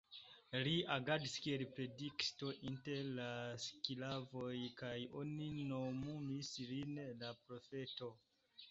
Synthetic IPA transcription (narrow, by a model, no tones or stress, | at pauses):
liaɡadiskielpɾe̞diksto̞ʔinte̞ɾlaskilavo̞jkajo̞̰nino̞mumislinlapɾo̞fe̞to̞